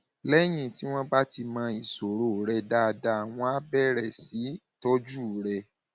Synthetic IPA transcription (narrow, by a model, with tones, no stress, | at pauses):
lɛ˦j̃ĩ˦˨ti˨˦w̃ɔ̃˦ba˦ti˧mã˧i˨so˨ɾo˨ɾɛ˧da˧da˧˨w̃ɔ̃˧a˦bɛ˦˨ɾɛ˨si˨˦ | tɔ˦d͡ʒu˦˨ɾɛ˧